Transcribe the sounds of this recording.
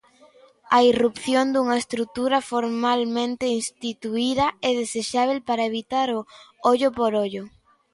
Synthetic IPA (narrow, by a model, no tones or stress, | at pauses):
ɐirupθjond̪uŋɐest̪ɾuk̚t̪uɾɐfoɾmalmẽnt̪einst̪it̪uiðɐɛð̞eseʃaβ̞elpaɾɐeβit̪aɾʊoʎʊpoɾoʎʊ